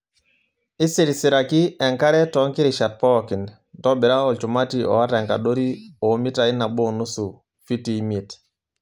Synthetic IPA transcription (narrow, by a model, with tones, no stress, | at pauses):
i˦si˦˨ɾi˨si˨ɾa˨ki˦ɛ˨ŋka˦ɾɛ˦tɔ˨˦ŋki˦ɾi˨ʃa˨t̚pɔ˦˨ki˨n | tɔ˦bi˨ɾa˦ɔ˨t͡ʃu˨ma˦ti˨ɔ̰˨a˦tɛ˨ŋka̰˨ɗo˦ɾi˦ɔ˨˦mi˦ta˨i˦na˨ɓɔ˦˨nu˦su˨ | fi˦ti˨˦me˨t